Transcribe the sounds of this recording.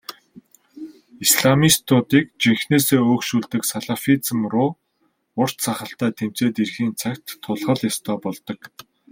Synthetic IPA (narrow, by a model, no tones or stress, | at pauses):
isɮamist̪ʰʊt̪iːk̚t͡ɕiŋxneːseːoːkʃuːɮt̪ɘ̆ksaɮafit͡sə̆mrʊː | ʊr̥t͡ɕsaχə̆ɬt̪æːt̪ʰemt͡seːt̪irxiːnt͡sʰakt̪ʰːʊɮχə̆ɮjast̪ʰœːpɔɮt̪ɞ̆k